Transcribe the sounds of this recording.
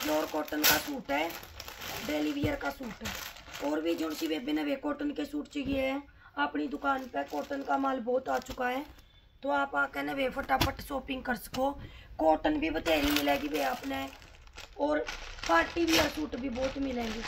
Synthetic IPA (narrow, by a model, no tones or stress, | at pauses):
d͡ʒoːɾkoːʈənkaːsuːʈɛː | ɖeːliːʋiːjəɾkaːsuːʈɛːɔːɾʋiːd͡ʒoːsiʋeːbɪnəʋeːkoːʈənkeːsuːʈt͡ʃəɡieɛ̃ː | aːpniːd̪ʊkaːnpɛːkoːʈənkaːmaːlbɔːt̪aːt͡ʃʊkaːɦɛː | t̪oːaːpãːkɛːnəʋeːpʰəʈaːpʰəʈsoːpɪ̃ŋɡkəɾsə̥koːkoːʈənbiːbət̪eːɾiːmɪlɛːɡiːʋeːaːpneː | ɔːɾpʰaːʈiːʋiːəɾsuːʈbʱiːbɔːt̪mɪlɛːɡiː